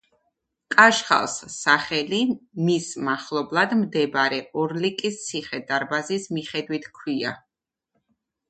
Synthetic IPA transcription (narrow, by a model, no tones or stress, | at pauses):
kʼaʃχa̰lˠsːaχɛlimismaχlˠɔblˠad̪md̪ɛbɾɛɔɾlikʼist̪sʰiχɛd̪aɾbazismiχɛd̪wit̪ʰkʰwia̰